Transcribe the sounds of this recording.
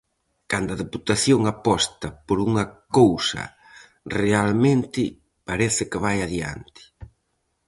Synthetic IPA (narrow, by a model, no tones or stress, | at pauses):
kand̪ʊɐðeput̪aθjoŋapɔst̪ɐpoɾuŋɐkowsɐ̰ | realmẽnt̪ɪ | paɾɛθɪkɪβ̞ajaðja̰nt̪ɪ̥